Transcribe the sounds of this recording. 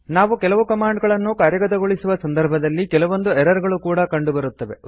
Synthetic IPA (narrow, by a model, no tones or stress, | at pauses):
naːʋukɛlɐʋukɐmaːɳɖɡɐɭɐnːukaːɾjɐɡɐt̪ɐɡoɭisuʋɐsɐnd̪ɐɾbʱɐd̪ɐlːikɛlɐʋo̞nd̪uɛɾɐɾɡɐɭukuːɽɐkɐɳɖubɐɾut̪ːɐʋe